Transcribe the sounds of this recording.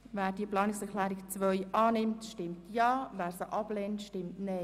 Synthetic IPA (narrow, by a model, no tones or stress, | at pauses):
væːɾdiəplɑːnɪksɛkʰχlæːɾikt͡svœʏʔɑːnɪmtʃtɪmtʰjɑːvæːɾsəʔɑbleːntʃtɪmtne